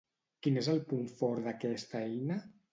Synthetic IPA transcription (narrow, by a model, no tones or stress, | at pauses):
kinezəlˠpuɱfɔɾðakɛst̪aɛjna